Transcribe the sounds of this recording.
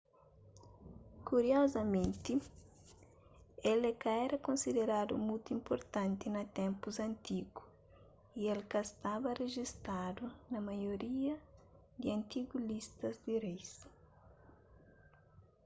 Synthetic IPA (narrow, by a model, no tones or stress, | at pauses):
kuɾiɔzɐmẽnt̪i | elekaɛɾɐkõnsid̪eɾad̪ṵmujt̪uĩmpoɾt̪ãnt̪inɐt̪ɛ̃mpuzɐ̃nt̪iɡu | ielkɐst̪abɐreʒist̪ad̪unɐmajoɾiɐ | d̪iɐ̃nt̪iɡulist̪ɐzd̪irejs